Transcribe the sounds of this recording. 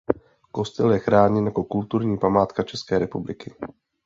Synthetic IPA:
ko̞st̪ɛljɛxɾaːɲɛnjako̞kult̪uɾɲiːpamaːt̪kat͡ʃɛskɛːɾɛpublɪkɪ

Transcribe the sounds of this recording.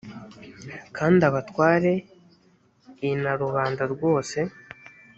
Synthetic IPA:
kʰaːndaβatwaːɾe̞ | inaɾuβaːndaɾɡwo̞ːse̞

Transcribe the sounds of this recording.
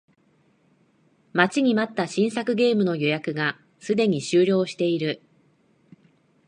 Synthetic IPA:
mat͡ɕiɲ̟imat̪ːaɕĩɰ̃sakɯ̟ɡe̞ːmɯ̟no̞jo̞jakɯ̟ɡa | sɨd̪e̞ɲ̟iɕɨːɾʲo̞ːɕi̥t̪e̞iɾɯ̟

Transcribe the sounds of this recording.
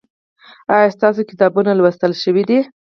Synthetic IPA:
ɑjɑst̪ɑsokɪ̥t̪ɑbunalwəst̪əlʃəwid̪i

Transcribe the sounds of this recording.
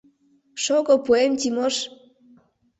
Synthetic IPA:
ʃoɣopuemt̪ʲimoʃ

